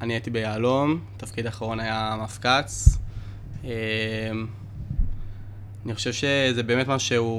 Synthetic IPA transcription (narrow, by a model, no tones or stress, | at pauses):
aniaitibejaːlomtafkidaːχaʁo̞najamafkat͡s | em | aniχoʃevʃezebe̞ːme̞tmaʃuʃeu